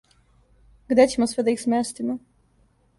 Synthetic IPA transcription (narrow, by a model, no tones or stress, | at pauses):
ɡd̪et͡ɕemosʋɛd̪aixsmest̪imɔ